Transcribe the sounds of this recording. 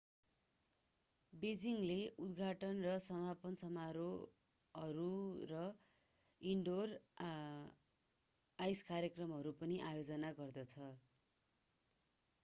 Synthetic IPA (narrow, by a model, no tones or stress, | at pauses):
bed͡ziŋleud̪ɡʱaʈʌnrʌsʌmapʌnsʌmaɾo | ʌɾurʌ | iɳɖor | ajskarjʌkrʌmɦʌɾupʌniʔajod͡zʌnaɡʌrd̪ʌt͡sʰʌ